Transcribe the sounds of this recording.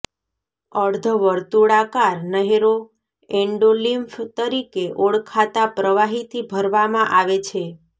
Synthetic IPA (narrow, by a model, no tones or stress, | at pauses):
əɽd̪ʱəʋəɾt̪uɽakaɾnəɦeɾo | eɳɖolimft̪əɾikeʔoɽkʰat̪apɾəʋaɦit̪ʰibʱəɾʋamãʔaʋet͡ʃʰe